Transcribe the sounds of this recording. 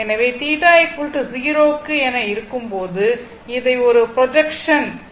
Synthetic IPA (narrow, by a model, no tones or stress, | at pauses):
ɛnɐʋeːt̪iːðaːjɐkːuːʈːɯsɪjɪɾoːkːɯɛnɐɪɾɯkːɯmpoːðɯ | ɪðɐɪɔɾɯpɾɔd͡ʒɛkʂɐn